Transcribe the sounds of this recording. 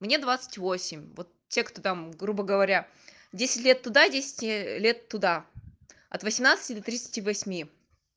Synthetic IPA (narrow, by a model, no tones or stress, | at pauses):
mnʲe̞d̪vat̪sɨ̥tʲvosʲɪmʲvot̪̚ | tʲːe̞kt̪ot̪amɡɾubəɡəvɐɾʲa | dʲesʲɪ̥tʲlʲe̞t̪ːʊd̪adʲesʲɪ̥tʲlʲe̞t̪ːʊd̪a | ɐ̰t̪vəsʲɪmnat̪sɨ̥tʲɪd̪ət̪ɾʲit̪sɨ̥tʲivɐsʲmʲi